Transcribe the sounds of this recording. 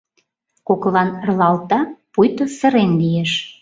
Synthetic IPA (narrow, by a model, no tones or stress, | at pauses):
koklɑnərlɑlt̪ɑpujt̪osə̆ɾenlijeʃ